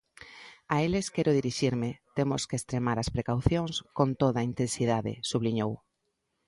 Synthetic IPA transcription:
aeleskɛɾʊðiɾiʃiɾmɪt̪emʊskeest̪ɾemaɾɐspɾekawθjoŋskont̪oðɐint̪ẽnsið̞aðɪ̰suβliɲow

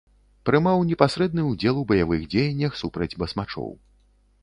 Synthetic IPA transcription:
pɾɨmawnʲɛpasɾɛd̪̚nɨud͡zʲɛlˠubɐjavɨɣd͡zʲejɐnʲːɐxsupɾɐd͡zʲbɐsmat͡ʂɔ̰w

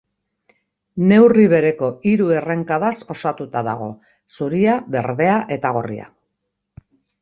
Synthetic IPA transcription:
ne̞wriβ̞e̞ɾe̞ko̞ʔiɾue̞re̞ŋkaðaso̞sat̪ut̪aða̰ɣ̞o̞̰ | suɾiaβe̞ɾðe̞aʔe̞t̪aɣ̞o̞̰rḭa̰

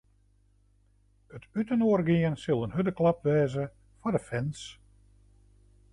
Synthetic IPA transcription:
ətytənoərɡɪənsɪlˠənɦødəklɑp̚ʋɛːzə | fɔdəfɛns

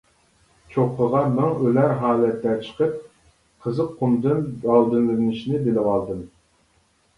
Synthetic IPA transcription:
t͡ʃʰoqʰːəʁɑmɛŋølæɾɦɑːlˠɛt̪ʰːɛt͡ʃʰə̥qʰəp̚ | qʰəzɨqʰːumd̪ɨnbɑlˠd̪ɨnlɪnɨʃinɪbelɪwɑlˠd̪ɨm

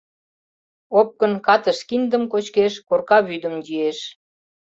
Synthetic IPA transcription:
op̚kə̆nkɑt̪əʃkind̪əmkot͡ɕkeʃkorkɑβyd̪ə̆md͡ʑieʃ

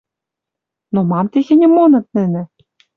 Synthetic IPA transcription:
nomɑmt̪exʲɘ̆nʲɘ̆monɤ̆t̪̚nɘ̆nɘ̆

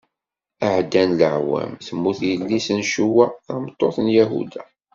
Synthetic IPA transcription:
əʕd̪ænləʕwæ̰mθəmːuθjəlːisənʃuwæθɑmt̪ˤːoθnjæɦṵd̪æ

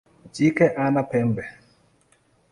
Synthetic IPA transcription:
d͡ʒikɛʔanapɛmbɛ

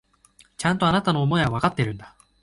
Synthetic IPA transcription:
t͡ɕãnt̪o̞anat̪ano̞ːmo̞eɡaβakat̪ːe̞ɾɯ̟̃nd̪a

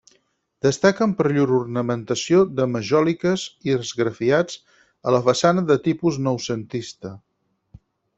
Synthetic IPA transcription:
d̪əst̪akəmpəɾʎuɾurnəmənt̪əsiod̪əməʒɔlikəziəzɣɾəfiad͡z | ələfəsanəðət̪ipuznɔwsənt̪ist̪ə

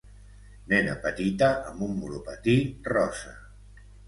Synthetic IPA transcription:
nɛna̰pət̪it̪aʔəmbumːulupat̪irɔsa

